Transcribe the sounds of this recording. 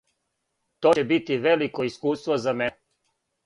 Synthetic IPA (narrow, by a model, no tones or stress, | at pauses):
t̪oːebit̪iʋelikoiskuːst̪ʋozame